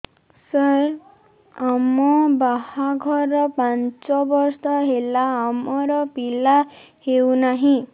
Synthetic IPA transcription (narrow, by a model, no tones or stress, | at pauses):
sʌɾ | amɔbahaɡʱʌrʌpant͡sɔbɔɾsd̪ʌɦelaːmɔɾʌpila | hewnaɦĩ